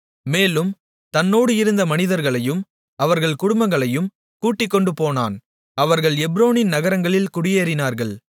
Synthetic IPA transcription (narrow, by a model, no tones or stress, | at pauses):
meːlɯm | t̪ɐnːoːɽɯɪɾɯnd̪ɐmɐnɪðɐɾɣɐɭɐjɯm | ɐʋɐɾɣɐɭkʊɽʊmbɐŋɡɐɭɐjɯm | kuːʈːɪkːɔɳɖɯpoːna̰ːn | ɐʋɐɾɣɐɭɛbɾoːnɪnnɐɣɐɾɐŋɡɐɭɪlkʊɽɪjeːɾɪnaːɾɣɐɭ